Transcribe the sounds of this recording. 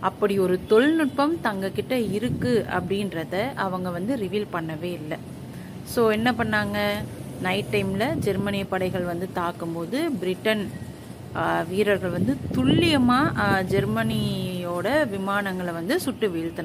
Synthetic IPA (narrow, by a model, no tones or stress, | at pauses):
ɐpːɐɽiɔɾɯt̪ɔɭnɪʈ̚pɐmt̪ɐŋɡɐkɪʈːɐɪɾɯkːɯɐ̰pːɐɽɪnɾɐðɐʔɐʋɐŋɡɐʋɐnd̪ɯɾɪʋiːlpɐɳːɐʋeːɪlːɐ | soːɛnːɐp̬ɐɳːaːŋɡɐ | nɐɪʈːɐɪmlɐd͡ʒɛɾmɐnɪɐpːɐɽɐɪɣɐɭʋɐnd̪ɯt̪aːkːɯmpoːðɯbɪɾɪʈːɐn | ʋiːɾɐɾɣɐɭʋɐnd̪ɯt̪ʊɭːɪjɐmaːd͡ʒɛɾmɐnioːɽɐʋɪmaːnɐŋɡɐɭʋɐnd̪ɯsʊʈːɯʋiːɭt̪ɯnã